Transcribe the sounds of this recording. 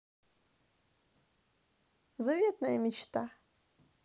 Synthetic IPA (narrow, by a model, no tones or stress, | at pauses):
zavet̪ʰnajamit͡ʃt̪ʰa